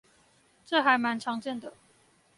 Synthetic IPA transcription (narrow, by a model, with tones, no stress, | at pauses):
ʈ͡ʂɤ˥˨xa˨˥ɪma˧˥nʈ͡ʂʰɑ˧˥ŋʈ͡ʂə˥˩nd̪ə˩